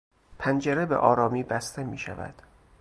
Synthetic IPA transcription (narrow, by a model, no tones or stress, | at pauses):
pʰænd͡ʒeɾebḛʔɒːɾɒːmiːbæst̪ʰe̞miːʃæ̰væ̰d̪̥